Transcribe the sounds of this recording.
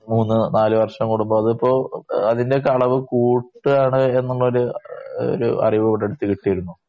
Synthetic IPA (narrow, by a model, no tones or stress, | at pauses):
muːnːɨnaːlɨʋɐrʂɐmkuɽumboːɐðipːo̞ːɐðindekːɐɭɐʋɨkuːʈːɨaːɳɨe̞nːuɭːɐoɾuo̰ɾṵɐ̰riʋɨpɐʈːeɽut̪ːikiʈːijiɾunːu